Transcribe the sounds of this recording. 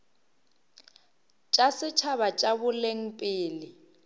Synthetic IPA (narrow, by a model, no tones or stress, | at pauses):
t͡ʃʼasɪt͡ʃʰaβat͡ʃʼaβʊleŋ̩pʼɪːlɪ